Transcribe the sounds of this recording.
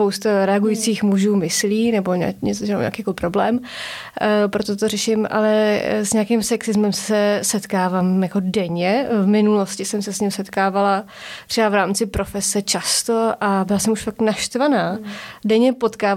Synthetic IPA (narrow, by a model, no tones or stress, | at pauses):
powst̪aɾɛaɡujiːt͡siːxmuʒuːmɪsliːnɛboɲɛ̰ɲɛ̰t͡soʒa̰ɛ̰akiːkolɪpɾo̞blɛːm | pɾot̪ot̪orɛʃɪmʔa̰lɛsɲɛakimsɛksɪzmɛmsɛsɛt̪kaːvaːmjako̞dɛɲɛvmɪnulo̞scɪsɛmsɛsɲɪmsɛt̪kaːvala | t̪r̥ɛbavɾaːmt͡sɪpɾo̞fɛsɛt͡ʃast̪oʔabɪlasɛmuʃfak̚t̪naʃt̪vanaːdɛɲɛpo̞t̪kaː